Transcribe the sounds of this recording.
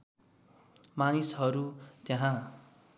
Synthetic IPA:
manisɦʌɾut̪jaɦã

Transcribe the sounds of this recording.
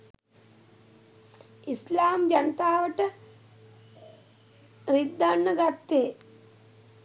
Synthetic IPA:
islaːmd͡ʒɐnət̪aːʋəʈə | ɾid̪ːanːəɡat̪ːeː

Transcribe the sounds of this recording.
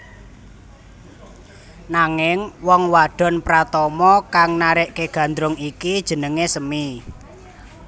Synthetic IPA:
naŋɪŋwɔŋwaɖ̥ɔ̤npɾat̪ɔmɔkaŋnaɾeʔkeɡ̥ä̤nd̪ɾʊŋikid̥ʒ̥ə̤nəŋesəmi

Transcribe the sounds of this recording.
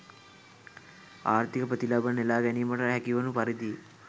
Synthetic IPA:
a̰ːɾt̪ikɐpət̪ilabɐnelaːɡɛnimɐʈɐɦɛkiʋɐnupɐɾid̪i

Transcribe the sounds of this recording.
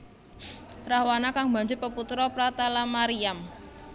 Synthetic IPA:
pɾahwanakaŋba̤ɲd͡ʒʊpəput̪ɾɔpɾat̪alamaɾiam

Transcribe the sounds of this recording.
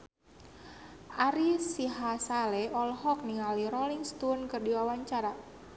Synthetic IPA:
ʔaɾisiɦasalɛɔlhɔk̚niŋaliɾoliŋst̪unkɨrdiwawaɲt͡ʃaɾa

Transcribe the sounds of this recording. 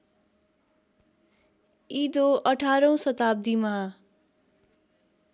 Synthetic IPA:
id̪oʌʈʰaɾʌw̃sʌt̪ab̚d̪imaa

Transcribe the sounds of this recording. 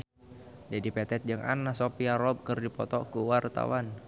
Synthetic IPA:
d͡ʒadipɛt̪ɛt̪̚d͡ʒəŋʔa̰nasopiaɾɔb̚kərdipɔ̰t̪ɔkuwart̪a̰wan

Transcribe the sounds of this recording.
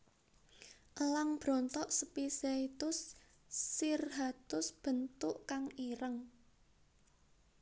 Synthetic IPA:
ʔəlaŋb̥ɾɔ̤nt̪ɔʔsəpiseit̪ʊsː | irɦat̪ʊsb̥ə̤nt̪ʊʔkaŋiɾəŋ

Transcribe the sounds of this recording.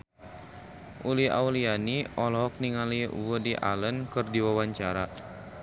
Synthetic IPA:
ʔuliɦa̰ulianiʔɔlɔɦɔk̚niŋaliwədiʔa̰lənkɨrdiwawaɲt͡ʃaɾa

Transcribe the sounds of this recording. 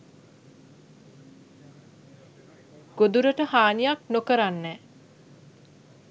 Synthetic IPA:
ɡ̥od̪uɾəʈəhaːnijaknokəɾanːɛː

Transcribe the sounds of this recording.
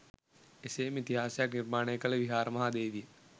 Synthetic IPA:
ɪseːmɪt̪ɪɦaːsjɐknɪɾmaːɽ̃eːkɐleʋiɦaːɾmɐɦaːd̪eːʋie

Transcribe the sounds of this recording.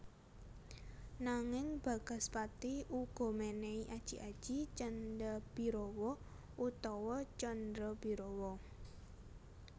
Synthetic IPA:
naŋɪŋb̥ä̤ɡ̥a̤spat̪iʔuɡ̥ɔ̤meneiʔad̥ʒ̥i̤ʔad̥ʒ̥i̤t͡ʃəndəb̥i̤ɾowɔ | ut̪ɔwɔt͡ʃɔndɾəb̥iɾɔwɔ

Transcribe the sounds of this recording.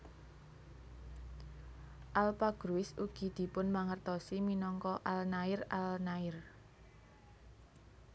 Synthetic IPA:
ʔalpaɡ̥ɾuɪsuɡ̥i̤d̪̥i̤pʊnmaŋərt̪ɔsiminɔŋkɔʔalnaɪralnaɪr

